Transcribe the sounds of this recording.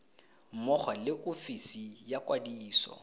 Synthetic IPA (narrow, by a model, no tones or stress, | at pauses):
m̩mɔχalɪʔofisijakʼwadiːsɔ̰